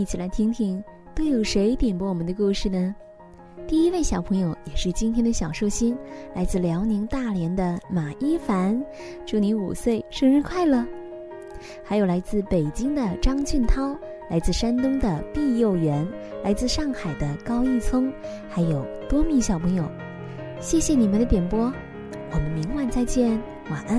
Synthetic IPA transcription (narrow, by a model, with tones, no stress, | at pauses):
i˥˩t͡ɕʰi˨˩la˧˥ɪt̪ʰi˥ŋt̪ʰi˥˩ŋ | t̪o˥ʊjo˨˩ʊʂe˧˥ɪt̪jɛ˨˩npa˧˥wɔ˨˩mə˧˦nd̪ə˧ku˥˧ʂɻ̩˥˩nə˩ | t̪i˥˩i˥we˥˩ɪɕjɑ˨˩ʊpʰɤ˧˥ŋjo˨˧˥ʊjɛ˨˩ʂɻ̩˥˩t͡ɕi˥nt̪ʰjɛ˥nd̪ə˧ɕjɑ˨˩ʊʂo˥˩ʊɕi˥nla˧˥ɪt͡sɹ̩˥˩ljɑ˧˥ʊni˧˥ŋt̪a˥˩ljɛ˧˥nd̪ə˧ma˨˩ʔi˥fa˧˥n | ʈ͡ʂu˥˩ni˧˥ŋṵ˨˩swe˥˩ɪʂɤ˥˧ŋɻ̩˥˧kʰwa˥˩ɪlə˩ | xa˧˥ɪjo˨˩ʊla˧˥ɪt͡sɹ̩˥˩pe˨˩ɪt͡ɕi˥ŋd̪ə˨ʈ͡ʂɑ˥ŋt͡ɕy˥˩nt̪ʰɑ˥ʊ | la˧˥ɪt͡sɹ̩˥˩ʂa˥nt̪ʊ˥ŋd̪ə˨pi˥˧jo˥˩ʊɥɛ˧˥nla˧˥ɪt͡sɹ̩˥˧ʂɑ˥˩ŋxa˨˩ɪd̪ə˦kɑ˥ʊi˥˩t͡sʰʊ˥ŋ | xa˧˥ɪjo˨˩ʊt̪wɔ˥mi˧˥ɕjɑ˨˩ʊpʰɤ˧˥ŋjo˨˩ʊ | ɕjɛ˥˩ɕjɛ˧˩ni˨˩mə˦nd̪ə˧t̪jɛ˨˩npwɔ˥ | wɔ˨˩mə˦nmi˧˥ŋwa˥˧nt͡sa˥˧ɪt͡ɕjɛ˥˧n | wa˨˩ʔə˥n